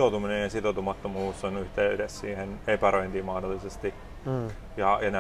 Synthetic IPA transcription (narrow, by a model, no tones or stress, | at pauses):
out̪uminejjɑsit̪ot̪umɑt̪ːomuːsːonyht̪eyɾessḭːhenepæroint̪iːmɑhdolːisest̪i | jɑjɑnæ